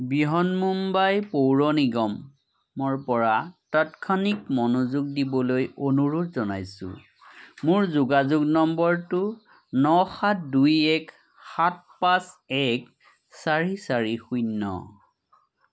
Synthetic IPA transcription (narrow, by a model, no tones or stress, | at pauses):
biɦɔnmumbajpowɹɔniɡɔmː | ɔɹpɔɹatatkʰanikmɔnuzuɡ̚dibɔlojonuɹutzɔna̰jsʊ̰ | mʊɹzuɡazuɡnɔmbɔɹtʊ | nɔxatʰdujɛk | xat̚pasɛk | saɹisaɹixujnːɔ̰